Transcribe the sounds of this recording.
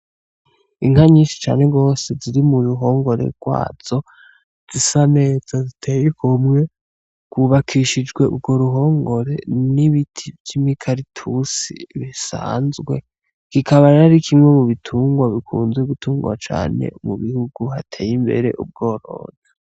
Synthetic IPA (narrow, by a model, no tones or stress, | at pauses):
iŋ̥haɲiːʃi̥t͡ʃa̰ːne̞ɡo̞ːse̞ziɾimuɾuɦo̞ːŋɡo̞ɾe̞̰ɡ̥wa̰ːz̥o̞ | z̥isane̞ːz̥azitʰejekomŋe̞ | kwuβakʰiʃid͡ʒɡwe̞ṵb̚ɡo̞ɾuɦo̞ːŋɡo̞ɾe̞̰niβitʰivjimikʰaɾitʰusḭβisa̰ːnzɡwe̞̰ | kikʰaβaɾeɾaɾikʰimŋe̞muβitʰuːŋɡwaβikʰuːnzeɡutuːŋɡwa̰t͡ʃa̰ːne̞̰muβihuɡuhatʰeːjimbe̞̰ɾe̞̰ʔṵb̚ɡo̞ːɾo̞̰ːna